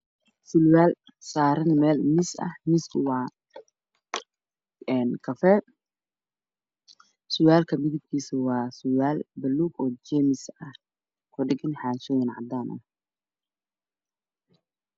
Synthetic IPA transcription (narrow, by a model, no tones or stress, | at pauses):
sɪlwaːl | saːɾɐnmɛːlmɪsɐ̰hmɪskʰʊwɑː | ɛnkʰɐfɛ | sʊwaːlkʰɐmɪðɪb̚kʰiːsʊwɑːsʊwaːlbɐlːuːɡɔːd͡ʒɛːmɪsɐh | kʰʊɖɪɡɪnħaːt͡ʃɔjɪnʕɑ̰d̪aːnʔɐ̰